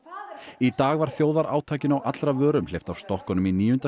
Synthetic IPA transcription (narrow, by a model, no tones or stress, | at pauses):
it̪aːɣvaɾ̥θjoːwðaɾʔa̰ːwt̪ʰaːjcɪnawʔat̪lɾavœːɾʏmlejft̪awst̪ɔhkɔnʏminiːjʏnt̪a